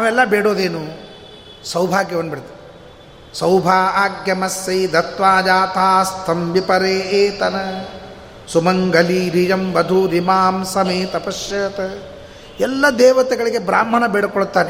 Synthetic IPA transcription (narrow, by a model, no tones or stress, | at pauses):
naːʋɛlːɐbeːɽoːd̪eːnu | sɐwbʱaːɡjɐɐnːɐbiɽt̪ːi | sɐwbʱaːaːɡjɐmɐsːɐjd̪ɐt̪ʋaːd͡ʒaːt̪ʰaːst̪ʰɐmʋipɐɾeːeːt̪ɐnɐ | sumɐŋɡɐliɾid͡ʒɐmbɐd̪ʱuɾimaːmsɐmeːt̪ɐpɐsjɐt̪ɐ | ɛlːɐd̪eːʋɐt̪ɛɡɐɭiɡebɾaːm̤ːɐnɐbeːɽkɔɭt̪ːaːne